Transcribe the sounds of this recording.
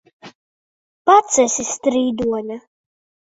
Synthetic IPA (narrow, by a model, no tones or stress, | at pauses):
pat̪sɛsist̪ɾiːd̪uɔnʲa